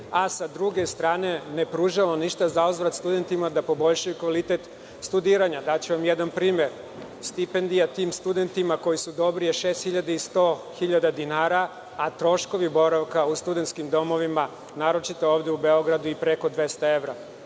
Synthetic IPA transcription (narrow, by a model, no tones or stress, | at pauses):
asad̪ɾuɡe̞st̪ɾaːne̞ne̞pɾuːʒaʋoniʃt̪azauzʋɾat̪st̪ud̪e̞nt̪imad̪apo̞bo̞ʎʃajukʋalit̪e̞t̪ | st̪ud̪iːɾaɲad̪at͡ɕuʋamjed̪anpɾiːme̞ɾ | st̪ipend̪ijat̪iːmst̪ud̪e̞nt̪imakojisud̪o̞bɾijeʃe̞ːst̪xiʎad̪eist̪o̞ːxiʎad̪ad̪inaːɾa | at̪ɾo̞ʃko̞ʋibo̞ɾaʋkaust̪ud̪e̞nt̪skimd̪o̞mo̞ʋima | naːɾo̞t͡ʃit̪ooːʋd̪eubeo̞ɡɾad̪uipɾe̞ko̞d̪ʋe̞st̪ae̞ʋɾa